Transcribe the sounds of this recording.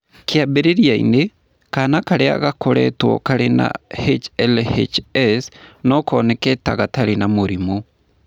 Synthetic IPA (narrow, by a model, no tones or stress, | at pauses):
kʰeabeɾeɾiaḭne | kanakaɾea̰ɣakoɾɛ̰twɔ̰kaɾena̰het͡ʃɛlhet͡ʃɛsnɔkɔːnɛkɛta̰ɣataɾenamoɾimo